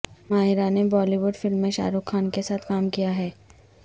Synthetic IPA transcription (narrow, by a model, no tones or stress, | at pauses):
maːɦɪɾanebɔːliʋʊɖfɪlmːẽʃa̰ːɾukʰːaːnkesaːt̪ʰkaːmkijaɦɛː